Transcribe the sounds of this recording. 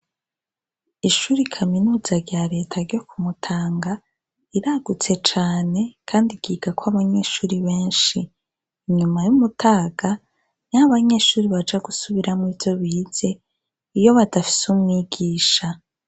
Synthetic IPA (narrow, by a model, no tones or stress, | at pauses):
iʃuːɾikʰaminuːz̥aɾɟaɾe̞ːtʰaɾɟo̞kumutʰaːŋɡa | iɾaɡut͡se̞t͡ʃaːne̞kʰaːndiɡ̥iːɡakwaβaɲe̞ːʃuːɾiβe̞ːnʃiː | ɲumajumutʰaːɡ̥a | naβaɲe̞ʃuːɾiβad͡ʒaɡusuβiɾamŋiːvjo̞βiːz̥e̞ | ijo̞βadafi̥sumŋiɡiːʃa